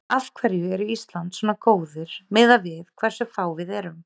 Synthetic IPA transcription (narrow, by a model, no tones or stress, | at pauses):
afkʰvɛɾjʏɛɾʏist̪lant̪sɔmnakoːwðɪɾ̥mɪːðavɪðkʰv̥ɛɾ̥sʏfaːwvɪðɛɾʏm